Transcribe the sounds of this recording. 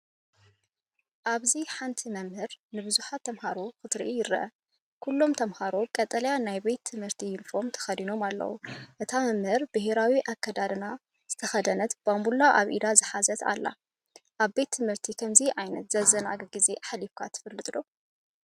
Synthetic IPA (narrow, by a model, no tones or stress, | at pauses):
ʔaβziħant̪ʰimɐmhɨɾnɨbɨzuħat̪ʰːɐmhaɾokɨt̪ɾḭʔijɪɾːɐ̰ʔɐ | kʰulːo̞mt̪ʰɐmhaɾokʼɐt̪ʼɐljanajbe̞t̪ʰːɨmhɨɾt̪ʰijɪnfo̞mt̪ʰɐ̥xɐd̪ino̞malːɐ̰wṵʔɨt̪ʰamɐmhɨɾbɨheɾawiʔakʰːɐd̪ad̪ɨna | z̥ɨt̪ʰɐxɐd̪ɐnɐt̪bambulːaʔaβʔḭd̪azɨħazɐt̪ʰa̰lːa̰ | ʔaβbe̞t̪ʰːɨmhɨɾt̪ʰikʰɐmziʔajnɐt̪z̥ɐzɐna̰ɡɐɡize̞ʔaħlifkʰat̪ʰɨ̥fɨlːɨt̪ʼɨlo̰